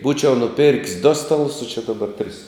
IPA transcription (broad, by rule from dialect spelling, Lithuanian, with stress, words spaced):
ˈbuːt͡ʃʲɛʊ nʊˈpʲɪrʲkʲsʲ doː ˈstɑːˌlˠʊs oː t͡ʃʲɪ dɐˈbɐr tʲrʲɪs